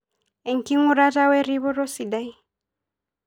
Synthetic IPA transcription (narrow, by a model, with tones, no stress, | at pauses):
ɛ˨ŋ˨ki˦ŋu˦ɾa˦ɾa˦wɛ˦ɾi˦βɔ˦ɾɔ˦si˨da˦i˦